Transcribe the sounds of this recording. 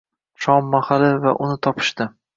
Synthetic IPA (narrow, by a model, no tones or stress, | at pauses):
ʃɒmːahalɪva̰ʔʊnɪt̪ʰɒpʰɪ̥ʃt̪ɪ